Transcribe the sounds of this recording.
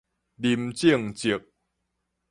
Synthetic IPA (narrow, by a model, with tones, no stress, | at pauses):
li˨˩mt͡ɕi˥˨ŋt͡ɕi˨˩˦k̚